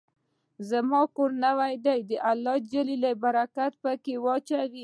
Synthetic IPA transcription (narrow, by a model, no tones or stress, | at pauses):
zamɑkoɾnawajd̪ajd̪əʔalːɑd͡ʒəlilabaɾakat̪̚pəkewɑt͡ʃawi